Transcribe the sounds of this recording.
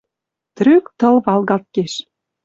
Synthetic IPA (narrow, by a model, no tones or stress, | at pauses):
t̪ɾøkt̪ɤ̆lβɑlɣɑt̪̚keʃ